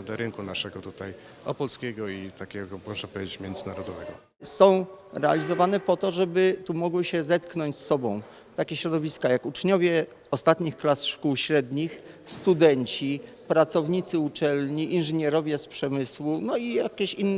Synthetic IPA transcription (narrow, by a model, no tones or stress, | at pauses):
d̪ɛɾɘŋkunaʂɛɡɔt̪ut̪aj | ɔpɔlskʲɛɡɔit̪akʲɛɡɔpɾɔʐɛpɔvʲjʲed͡ʑet͡ɕmʲjɛnd̪zɘnaɾɔd̪ɔvɛɡɔ | sɔ̃w̃ɾɛa̰lʲizɔvanɛpɔt̪ɔʐɛbɘt̪umɔɡwɘɕɛzɛt̪knɔɲt͡ɕsːɔbɔ̃w̃ | t̪akʲeɕɾɔd̪ɔvʲiskajakut͡ʂɲɔvʲjɛ | ɔst̪at̪ɲixklasʂkuwɕɾɛd̪ɲix | st̪ud̪ɛɲt͡ɕi | pɾat̪sɔvɲit̪sɘut͡ʂɛlɲiʔinʐɘɲɛɾɔvʲjɛspʂɛmɘswunɔijakʲeɕinː